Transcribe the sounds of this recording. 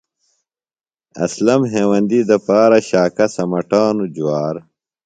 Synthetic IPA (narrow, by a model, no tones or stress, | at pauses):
ɐ̰slɐmɦeːwɐnd̪id̪ɐpaːɾɐɕaːkɐsɐmɐʈaːnud͡ʑuwaːɾ